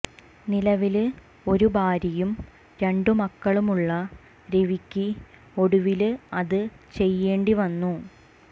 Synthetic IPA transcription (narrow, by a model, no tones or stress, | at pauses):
nilɐʋil | o̞ɾubʱaːɾɐjum | ɾe̞ɳɖɨmɐkːɐɭumuɭːɐ | ɾeʋikʲːi | o̞ɽuʋilɐðɨ | t͡ɕe̞jːeːɳɖiʋɐnːu